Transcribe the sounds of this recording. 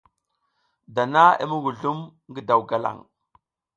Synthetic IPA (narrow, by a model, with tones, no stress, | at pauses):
da˨na˦ḛ˦mu˦ɡu˨ɮu˦mŋɡi˦da˨wɡa˦la̰˨ŋ